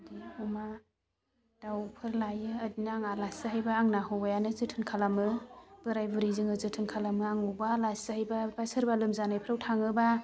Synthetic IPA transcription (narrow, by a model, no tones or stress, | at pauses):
diuma | d̥awpʰɯɾlajɯadinaaŋalasɯɦajbaːŋnaɦɯwajanɯzɯtʰɯnkʰalamɯb̥ɯɾajbɯɾizɯŋɯzɯtʰɯnkʰalamɯaŋubalasɯhajbabasɯɾbalɯmzanajpʰɾawtʰaŋɯba